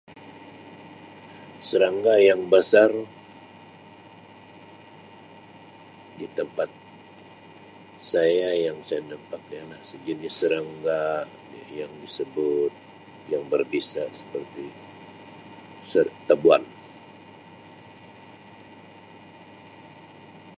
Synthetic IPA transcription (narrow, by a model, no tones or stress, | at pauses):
səɾaŋɡajaŋbəsar | dit̪əmpat̪̚ | sajajaŋsajanampak̚jalasəd͡ʒənɲasəɾaŋɡa | a̰jaŋdisəbʊt̪̚ | jaŋbərbisasə̥pərt̪i | sət̪abua̰n